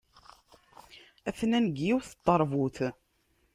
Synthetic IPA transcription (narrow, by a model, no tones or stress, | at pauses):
æθnænɡiwθə̥t̪ˤːɑɾˤvuθ